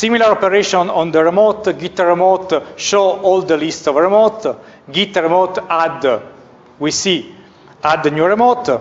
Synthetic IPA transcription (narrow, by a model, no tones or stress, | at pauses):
similaɾɔpeɾeʃɔ̃nɔ̃nd̪əɾemot̪ɡit̪rɛmot̪ʃoɔld̪əlist̪sɔvɾɛmot̪ | ɡit̪ːɾemot̪ad̪ | wisi | ad̪njuɹemot̪